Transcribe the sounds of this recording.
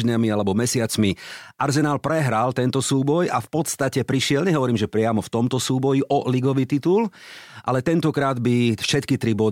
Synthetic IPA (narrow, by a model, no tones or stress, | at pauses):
ɲamialɛbɔmɛsɪat͡smiʔaɾzɛnaːlpɾɛɦɾalt̪ɛnt̪ɔsuːbɔjafpɔt̪st̪acɛpɾiʃɪɛlɲɛɦɔʋɔɾiːmʒɛpɾɪamɔft̪ɔmt̪ɔsuːbɔjiʔɔliɡɔʋiːt̪it̪ul | ʔa̰lɛt̪ɛnt̪ɔkɾaːd̪bifʃɛt̪kit̪ɾibɔ